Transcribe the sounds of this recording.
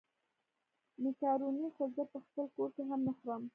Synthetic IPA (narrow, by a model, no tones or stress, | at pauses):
nɪkɑɾunixozəpəxpəlkoɾkeɦamnəxɾəm